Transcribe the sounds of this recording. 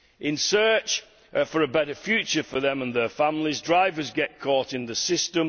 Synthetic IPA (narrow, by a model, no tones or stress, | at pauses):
ʔɪ̃nsɜˑ˞t͡ʃ | fəɹəbɛɾəfjʉˑt͡ʃə˞fəðə̃mə̃nðə˞fãmlɪzdɹaɪvəzɡɛʔ̚kʰɔˑtɪ̃nðəsɪstə̃m